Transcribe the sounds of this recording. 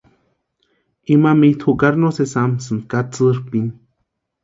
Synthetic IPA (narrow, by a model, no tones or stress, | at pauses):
imamit̪ʰhukaɾnosesamsɨnd̪kat͡sɨɾpin